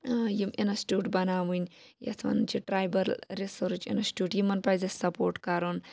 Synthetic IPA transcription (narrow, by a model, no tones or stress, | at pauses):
jiminɐsʈʲuːʈbɐnaːʋunʲjɐ̰t̪ʰʋɐ̰nt͡ʃiʈɾaːjbɐɾɾisoɾt͡ʃḭnɐsʈʲuːʈjimɐnpaːjzɐsɐpoːɾʈkɐɾon